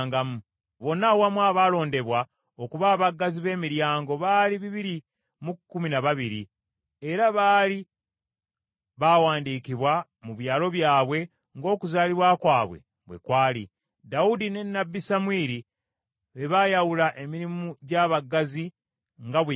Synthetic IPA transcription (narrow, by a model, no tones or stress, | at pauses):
ŋɡamu | βo̞nawamwaːβaːlo̞ːnde̞βwa | o̞kuβaːβaɡːaziβe̞ːmiɾjaːŋɡo̞βaːliβiβiɾi | mukːuminaβaβiɾi | e̞ɾaβaːli | βawaːndiːkiβwa | muβjaːlo̞βjaːβwe̞ | ŋɡo̞ːkuzaːliβwakwaːβwe̞̰ | βwḛkwaːlḭ | daudine̞nːabːisamwiːɾi | βe̞βajawulaʔe̞miɾimuɟaβaɡazi | ŋɡaβe